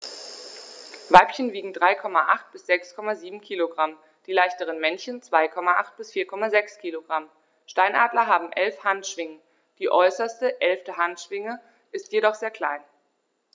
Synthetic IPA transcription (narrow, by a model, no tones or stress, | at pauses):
vaɪpçənviːɡŋ̩dʁaɪkʰɔmaʔaχt̚b̥ɪsz̥ɛkskʰɔmaziːbm̩kʰiːloɡʁam | d̥iːlaɪçtəʁ̞ənmɛnçənt͡sv̥aɪkʰɔmaʔa̰χt̚b̥ɪsfiːɐkʰɔmazɛkskʰiːloɡʁam | ʃtaɪnʔaːdlɐɦaːbm̩ʔɛlfhantʃv̥ɪŋə | d̥iːʔɔʏsɐstəʔɛlftəɦantʃv̥ɪŋə | ʔɪstjedɔχz̥eːɐkʰl̥aɪn